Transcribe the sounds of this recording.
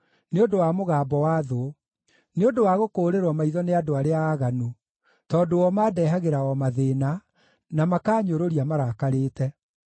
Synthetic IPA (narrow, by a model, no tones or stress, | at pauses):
neodowamoɣaːbɔwaðo | neodowaɣokoːɾeɾwɔmaiðɔneadoaɾeaːɣanu | tɔːdowɔmaːdɛːɦaɣeɾawɔmaðena | namakaːɲoɾoɾiamaɾaːkaɾeːtɛ